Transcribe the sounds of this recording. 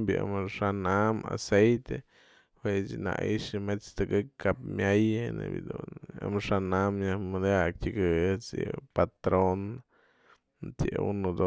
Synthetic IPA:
bʲiamɨʂanama̰sejt̪e | hwet͡ʃna̰iʂɨmet͡st̪ɨkɨkkːapmʲajnɨ̰bʲid̪unamɨʂanamjahmɨd̪jak̚tʲɨɡɨɨt͡sjɨ̰pat̪ɾon | t̪jɨunud̪o

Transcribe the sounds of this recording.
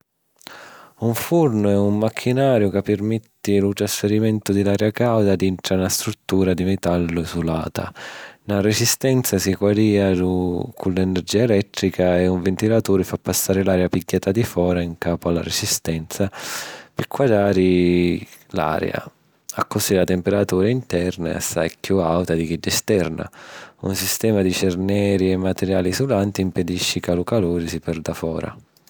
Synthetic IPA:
uɱfurnʊɛummakʰːinaːɾjʊkapːɪrmɛt̪ːilut̪ɾasfeɾimɛnt̪ʊd̪ilaɾjakawd̪ad̪int̪ɾanast̪ɾut̪ːuːɾad̪imɛt̪alːʊisulaːt̪a̰naɾesist̪ɛnt̪sasikwaɾiːaukʰulːɛnɛrd͡ʒiːaɛlɛt̪ːɾikaɛuɱvent̪ilat̪uːɾɪfapːasːaːɾɪlaːɾjapiɟːaːt̪ad̪ifɔːɾaiŋkaːpʊalːa̰ɾesist̪ɛnt̪sapɪkʰːwad̪aːɾi | la̰ːɾj̰a̰ | akːosilat̪ɛmpeɾat̪uːɾaint̪ɛrna̰a̰sajkjuawt̪ad̪ik̟id̪ːɛst̪ɛrna̰ṵnsist̪ɛːmad̪it͡ʃɛrnɛːɾiɛmːat̪ɛɾjaːlisulant̪imped̪iʃːikalukaloːɾisipɛrd̪afɔ̰ːɾa̰

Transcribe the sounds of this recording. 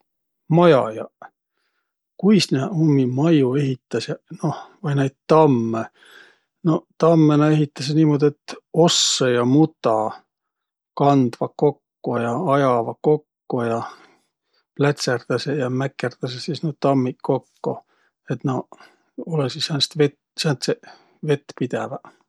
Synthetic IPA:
mɑjɑ̰jɑ̰ | kujsneumːimɑjue̞ɦit̪ːˑɑsjɑno̞vɑjnæjd̪̥̚t̪ɑmːe | no̞t̪ɑmːenɑe̞ɦit̪ˑːɑs̬ɑniːmo̞d̪iet̪ːo̞sːejɑmut̪ɑ | kɑnd̪̥vɑko̞kːujɑɑjɑvɑko̞kːujɑ | plæt̪ʲserd̪̥ɑsejɑmækːert̪ɑsesisnot̪ɑmːiko̞kːu | et̪no | olesisænst̪vet̪ | sænt̪se | ve̞t̪ːˑpid̪̥evɑ

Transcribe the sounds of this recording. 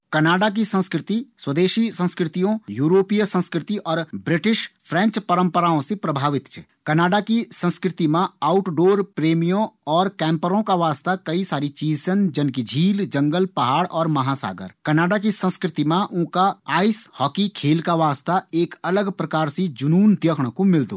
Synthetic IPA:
kɐnaːɖak̬isə̃nskɾɪt̪iswəd̪eːʃisə̃nskɾɪt̪ijõjuːɾoːpijsə̃nskɾɪt̪iʔɔːɾbɾɪʈɪʃpʰɾɛ̃ːɲt͡ʃpəɾə̃mpəɾaːõsepɾəbʱaːʋɪt̪t͡ʃʰɛ | kɐnaːɖakisə̃nskɾɪt̪imãaːʊʈɖoːɾpɾeːmijõɔːɾkɛ̃ːmpəɾõkaʋaːst̪akɐisaːɾit͡ʃiːsənd͡ʒənkid͡ʒʱiːld͡ʒə̃ŋɡəlpɐɦaːɽɔːɾmɐɦasa̰ːɡə̰ɾkɐnaːɖak̬isə̃nskɾɪt̪imãʔʊ̃kaaːɪshɔːkikʰeːlkaʋaːst̪aeːkɐləɡpɾɐkaːɾsed͡ʒʊnuːnd̪jəkʰɽ̃komɪld̪oː

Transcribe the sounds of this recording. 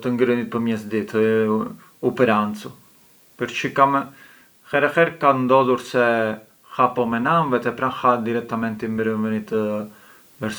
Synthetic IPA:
t̪əŋɡɾənit̪̚pəmjɛsd̪it̪ | upɛɾant͡su | pəɾt͡ʃikam | xɛɾɛxɛɾkand̪ɔðuɾsɛ | hapɔmɛnamvɛt̪ɛpɾanxad̪iɾɛk̚t̪amɛnt̪imbəɾənvənit̪ | vɛɾs

